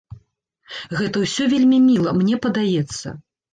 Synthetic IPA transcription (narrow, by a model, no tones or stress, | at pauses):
ɣɛt̪ɐwsʲɔvʲelʲmʲimʲilˠɐmnʲɛpɐd̪ajɛt̪sːɐ̰